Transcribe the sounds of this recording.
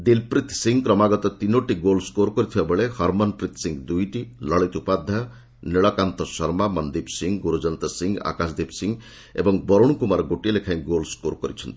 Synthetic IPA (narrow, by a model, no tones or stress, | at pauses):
d̪ilpɾit̪siŋɡkɾɔmaɡɔt̪ɔt̪inoʈiɡolskoɾkɔɾit̪ʰibabeɭehɔɾmɔnpɾit̪ʰsiŋɡd̪ujʈilɔɭit̪upad̪ʱːɔ | niɭɔkant̪ɔsɔɾmamɔnd̪ipsiŋɡɡuɾud͡ʒɔnt̪ɔsiŋɡa̰kasd̪ipsiŋ | ḛbɔŋbɔɾuɽ̃kumaɾɔɡoʈielekʰaj̃ɡolskoɾkɔɾit͡ʃʰɔnt̪i̥